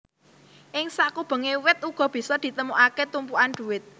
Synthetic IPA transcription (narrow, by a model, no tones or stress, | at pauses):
ʔɪŋsakub̥ə̤ŋewɪt̪̚uɡ̥ɔ̤b̥i̤sɔd̪̥i̤t̪əmuʔaket̪umpuand̪̥ṳwɪt̪̚